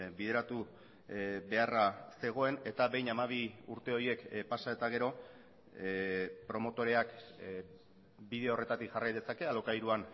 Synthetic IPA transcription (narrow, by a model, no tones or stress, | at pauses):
biðe̞ɾat̪u | be̞arase̞ɣ̞o̞e̞ne̞t̪aβe̞jnamaβ̞iuɾt̪e̞o̞ɾje̞kpasae̞t̪aɣ̞e̞ɾo̞ | pɾo̞mo̞t̪o̞ɾe̞ak | biðe̞ore̞t̪at̪ikʝarajðe̞sake̞alo̞kajɾuan